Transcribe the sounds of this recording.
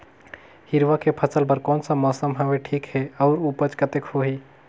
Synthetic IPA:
hiɾʋakepʰəsəlbəɾkɔːnsə̃mɔsəmɦəbeʈʰiːkheɔʊɾupət͡ʃkət̪ekhoɦi

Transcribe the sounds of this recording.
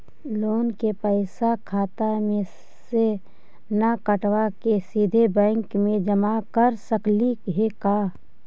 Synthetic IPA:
loːnkepəɪsakʰaːt̪amẽ | se | nakəʈwakesid̪ʱebɛ̃ːŋkmẽd͡ʒəmakəɾsəklikɦekaː

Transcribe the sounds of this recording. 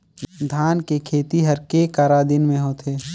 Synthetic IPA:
d̪ʱaːnkekʰeːt̪iɦəɾkekaːɾad̪ɪnmẽɦoːt̪ʰeː

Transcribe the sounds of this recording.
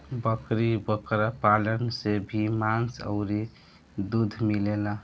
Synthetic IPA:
bəkɾibəkɾapalənsebʱimansə̰ʊɾi | d̪ud̪ʱmilela

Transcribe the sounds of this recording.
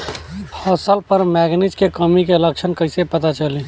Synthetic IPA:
hɔːsəlpəɾmɛːɡnɪt͡ʃkekəmikeləkʃʰənkəɪsepɐt̪at͡ʃəli

